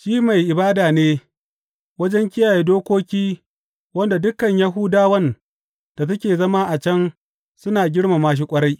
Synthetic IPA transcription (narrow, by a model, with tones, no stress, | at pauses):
ʃiː˦ma˨jʔɪ˨baː˦daː˨neː˦ | wɐ˦d͡ʒɛ˦ŋkʲɪ˦jaː˨je˦doː˦kʷoː˦kʲiː˦ | wɐ˦nda˨dʊ˦kɐ˨ɲja˦ɦʊ˦daː˦wɐ˦n | d̥a˨t̬ɐ˦kʲeː˨zɐ˦ma˦ʔa˨t͡ʃɐ˦n | sʊ˦naː˨ɡʲɪ˦ɽma˨maː˦ʃ̬i˦kʷʼɐ˦ɽa˦j